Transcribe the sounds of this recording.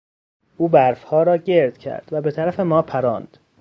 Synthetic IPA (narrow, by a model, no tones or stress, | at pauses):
ʔuːbæɾfhɒːɾɒːɟe̞ɾd̪̥cʰæ̰ɾd̪væbe̞t̪ʰæɾæfe̞mɒːpʰæɾɒːnd̪̥